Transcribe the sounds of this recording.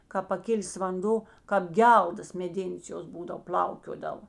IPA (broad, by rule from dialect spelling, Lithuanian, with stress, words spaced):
kɑːp pɐˈkʲɪlʲeːs ʋɐnˈdoː kɐp ˈɡʲɛlˠdɐs mʲɛˈdʲeːnʲeːs ˈjoːs ˈbuːdɐw pʲlʲɐʊkʲoːdɐʋoː